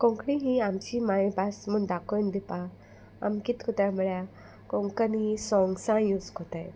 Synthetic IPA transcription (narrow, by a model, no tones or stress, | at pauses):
kɔ̃ŋkɽiɦĩamt͡ɕimaĩbasmənd̪akʰond̪ipa | a̰mkit̪kut̪aməɭja | kɔ̃ŋkənisɔ̃ŋɡsãjuskot̪aj